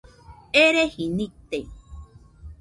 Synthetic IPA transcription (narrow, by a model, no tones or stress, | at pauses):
eɾehinĩt̪e